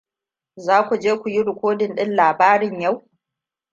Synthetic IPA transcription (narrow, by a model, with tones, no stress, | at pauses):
zaː˦kʷu˨d͡ʒeː˦kʷu˨ji˦ɽʊ˨kʷoː˦dɪ˨nɗɪ˦nlaː˨baː˦ɾɪ˨ɲja˦˨w